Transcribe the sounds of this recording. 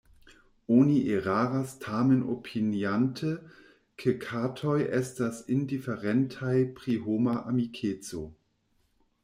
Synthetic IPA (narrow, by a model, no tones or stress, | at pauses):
oniʔeʁaːʁastʰaːmənʔopʰinjantʰə | kʰəkʰaːtʰɔjʔɛstasɪndifeʁɛntʰajpʁ̥iɦoːmaʔamikʰeːt͡so